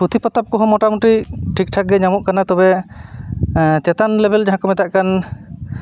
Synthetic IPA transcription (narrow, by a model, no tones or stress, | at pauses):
pɾut̪ʰipɔt̪ap̚kɔɦɔ̃mɔʈamut̪ɾiʈʰik̚ʈʰak̚ɡɛɲamɔʔkanat̪ɔbɛ | t͡ʃɛt̪anlɛbʱɛld͡ʒaɦãkɔmɛt̪aʔkan